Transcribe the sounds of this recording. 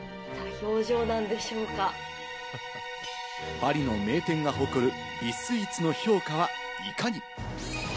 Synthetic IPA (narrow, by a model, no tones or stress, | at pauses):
saço̞ːʑo̞ːnãnd̪e̞ɕo̞ːka | paɾʲino̞me̞ːt̪ẽ̞ŋɡaɦo̞kɯ̟ɾɯ̟ | bʲisɨit͡sɨno̞ço̞ːkaβa | ikaɲ̟i